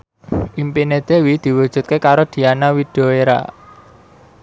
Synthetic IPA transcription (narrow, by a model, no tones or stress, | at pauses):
ʔimpined̪̥ewid̪̥i̤wud̥ʒ̥ṳt̪̚kekaɾod̪̥i̤anawid̪̥oeɾa̰